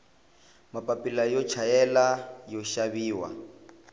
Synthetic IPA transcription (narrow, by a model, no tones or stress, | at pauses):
mapʼapʼilajɔt͡ʃʰajɛlajɔʃaβiːwa̰